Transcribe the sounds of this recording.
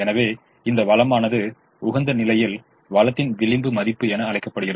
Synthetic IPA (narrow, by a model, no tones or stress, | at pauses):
ɛnɐʋeː | ɪnd̪ɐʋɐɭɐmaːnɐðɯ | ʊɣɐnd̪ɐnɪlɐjɪl | ʋɐlɐt̪ːɪnʋɪlɪmbɯmɐðɪpːɯɛnɐːɭɐɪkːɐpːɐɽɯɣɪɾɐ